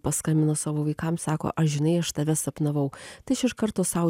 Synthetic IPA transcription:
pɐskɑmʲɪnoːsɑːʋoːʋɐɪkɑmsɑːko̰ːʔɐʃʒʲɪnɐɪɐʃt̪ɐʋʲɛsɐpnɐʋɐʊt̪ɐɪɐʃɪʃkɐɾt̪oːsɑʊ

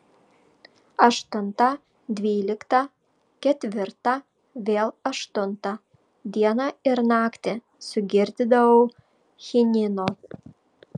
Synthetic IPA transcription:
ɐʃt̪ʊnt̪ɐ | d̪ʲʋʲiːlʲɪkt̪ɐ | kʲɛt̪ʲʋʲɪɾt̪ɑ | ʋʲeːlˠɐʃt̪ʊnt̪ɑ | d̪ʲiɛnɑɪɾnɑːkt̪ʲɪ | sʊɡʲɪɾʲd̪ʲɪd̪ɐʋɐʊ | xʲɪnʲɪnoː

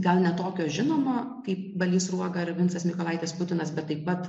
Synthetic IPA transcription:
ɡɐlˠnʲɛt̪oːkʲoːʒʲɪnoːmoː | kɐɪp̚bɐlʲiːsruɔɡɐɐɾʋʲɪnt͡s̪ɐsmʲɪkoːlˠɐɪt̪ʲeːspʊt̪ʲɪnɐsbʲɛt̪tːɐɪppɐt̪

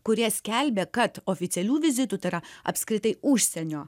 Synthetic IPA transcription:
kʊɾʲiɛsʲkʲɛlʲbʲeːkɐt̪oːfʲɪt̪sʲɛlʲuːʋʲɪzʲɪt̪ut̪ɐɪɾɐɐ̰pʲskɾʲɪt̪ɐɪʊʃʲsʲɛnʲoː

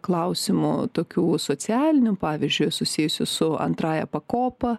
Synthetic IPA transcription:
klˠɐʊsʲɪmʊ̰t̪oːkʲuːsoːt͡s̪sʲæːlʲɪnʲʊpɑːʋʲɪzʲd͡ʒʲʊɪsʊsʲɪjʊsʲʊsʊɐ̰nt̪ɾɑːjɛpɐkoːpɐ

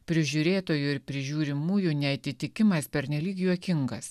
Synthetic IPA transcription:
pʲɾʲɪʒʲuːɾʲeːt̪oːjʊɪɾpʲɾʲɪʒʲuːɾʲɪmuːjʊnʲɛɐt̪ʲɪt̪ʲɪkʲɪmɐspʲɛɾʲnʲɛlʲiːkjuɔkʲɪŋɡɐs

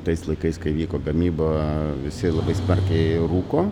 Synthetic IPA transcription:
t̪ɐɪslˠɐɪkɐɪskɐɪʋʲiːkoːɡɐmʲiːboːʋʲɪsʲɪlˠɐbɐɪsʲmɐrʲkʲɛɪɾuːkoː

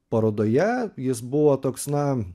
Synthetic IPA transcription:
pɐɾoːd̪oːjɛjɪsbʊʋoːt̪oːksnɐ

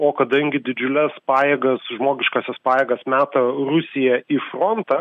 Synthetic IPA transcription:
oːkɐd̪ɐŋʲɡʲɪd̪ʲɪd͡ʒʲʊlʲɛspɑːjeːɡɐsʒmoːɡʲɪʃkɑsʲɛspɑːjeːɡɐsmʲæːt̪ɐrʊsʲɪjɛifɾont̪ɐ

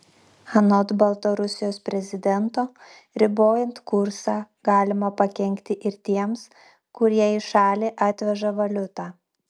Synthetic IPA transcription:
ɐnot̪bɐlˠt̪ɐɾʊsʲɪjoːspʲɾʲɛzʲɪd̪ʲɛnt̪oː | ɾʲɪboːjɛnt̪kʊɾsɑːɡɑːlʲɪmopɐkʲɛŋʲkt̪ʲɪʔɪɾt̪ʲiɛms | kʊɾʲiɛɪʃɑːlʲiːʔɑːt̪ʲʋʲɛʒɐʋɐlʲʊt̪ɑː

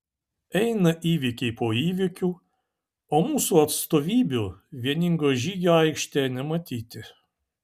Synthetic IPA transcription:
ɛɪnɐʔiːʋʲikʲɛɪpoːiːʋʲɪkʲuː | oːmuːsuːɐt̪st̪oːʋʲiːbʲuːʋʲiɛnʲɪŋɡoːʒʲiːɡʲoːɐɪkʃʲt̪ʲeːnʲɛmɐt̪ʲiːt̪ʲɪ

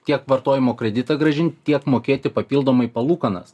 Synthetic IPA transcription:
t̪ʲiɛkʋɐɾt̪oːjɪmoːkɾʲɛd̪ʲɪt̪ɐɡɾɐʒʲɪnʲt̪ʲiɛkmoːkʲeːt̪ʲɪpɐpʲiːlˠd̪oːmɐɪpɐlˠuːkɐnɐ̰s

